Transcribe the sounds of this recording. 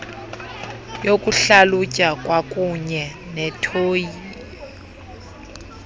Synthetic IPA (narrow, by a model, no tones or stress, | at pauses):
jokʼuɬalucʼakʼwakʼuɲɛ | nɛtʰoːji